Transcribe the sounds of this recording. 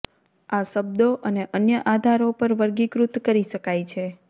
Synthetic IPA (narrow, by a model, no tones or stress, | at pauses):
aʃəbd̪oʔəneʔənjəʔad̪ʱaɾopəɾʋəɾɡikɾut̪kəɾiʃəkajt͡ʃʰe